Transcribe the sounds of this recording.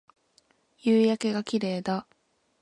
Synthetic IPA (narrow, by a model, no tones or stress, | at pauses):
jɯːjake̞ɡakʲiɾe̞ːd̪a